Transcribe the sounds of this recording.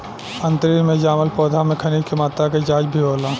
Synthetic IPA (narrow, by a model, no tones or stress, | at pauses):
ɐ̃nt̪ɾimẽd͡ʒaːməlpɔːd̪ʱamẽkʰɐniːkimaːt̪ak̬ed͡ʒaːd͡ʒbʱiɦoːlãː